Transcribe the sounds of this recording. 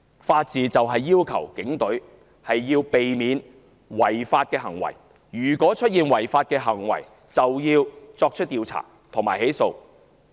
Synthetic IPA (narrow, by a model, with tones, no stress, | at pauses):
faː˧t̚t͡siː˨t͡sɐ˨wɦɐ˨jːiː˥wkʰɐ̰˨˩wkɪ˨˥ŋt̪ɵ˨˥ɥ | hɐ˨jːiː˧wpe˨jmiː˨˧n | wɐ˨˩jfaː˧t̚kɛː˧ɦɐ˨˩ŋwɐ̰˨˩j | jyː˨˩kʷɔː˨˥t͡ʃʰɵ˥t̚jiː˨˧nwɐ˨˩jfaː˧t̚kɛː˧ɦɐ˨˩ŋwɐ̰˨˩j | t͡sɐ˨wjiː˧wt͡sɔː˧k̚t͡ʃʰɵ˥t̚t̪ːiː˨˧wt͡sʰa̰ː˨˩ | t̪ʰʊ˨˩ŋmaː˨˩he˨˥jso˧w